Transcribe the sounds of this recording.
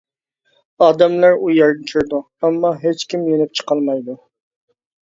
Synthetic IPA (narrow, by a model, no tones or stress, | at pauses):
ɑːd̪ɛmlæɾujɑɾnɪkʲʰyɾd̪u | ɛmːɑɦet͡ʃkʲʰimjenyp̚t͡ʃʰə̥qɑlˠmɑjd̪u